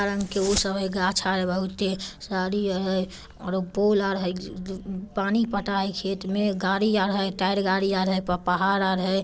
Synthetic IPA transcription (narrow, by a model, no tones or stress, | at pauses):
ɾə̃ŋɡkeosəbʱəɡat͡ʃʰaɾebəɦʊt̪esaɾiɾə | ɔ̰ːɾobolaɾɦə | paːnipəʈaekʰeːt̪mẽɡaɾid͡ʒaɾɦəeʈaɪɾɡaːɾid͡ʒaɾɦepəpəɦaɾaɾəɦə